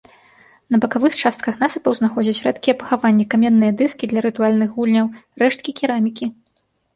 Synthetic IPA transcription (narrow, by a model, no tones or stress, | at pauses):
nɐbɐkavɨxt͡ʂast̪̚kɐxnasɨpɐwznaxɔd͡zʲɐt͡sʲrɛt̪kʲijɛpɐ̥xavanʲːɛkamʲɛnːɨjɐd̪ɨskʲid̪lʲɐɾɨt̪ualʲnɨɣɣulʲnʲɐwrɛʂt̪̚kʲikʲiɾamʲikʲi